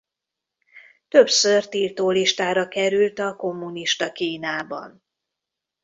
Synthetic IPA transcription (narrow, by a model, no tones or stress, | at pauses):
t̪ø̞psørt̪ilt̪oːliʃt̪aːɾɒkɛɾylt̪ɒko̞mːuniʃt̪ɒkiːnaːbɒ̰n